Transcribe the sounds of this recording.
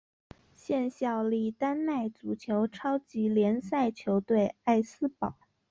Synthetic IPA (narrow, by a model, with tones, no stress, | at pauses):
ɕjɛ˥˧nɕjɑ˥˧ʊli˥˩t̪a˥nna˥˩ɪt͡su˨˩t͡ɕʰjo˧˥ʊʈ͡ʂʰɑ˥ʊt͡ɕi˧˥ljɛ˧˥nsa˥˩ɪt͡ɕʰjo˧˥ʊt̪we˥˧ɪa˥˩ɪsɹ̩˥pɑ˨˩˦ʊ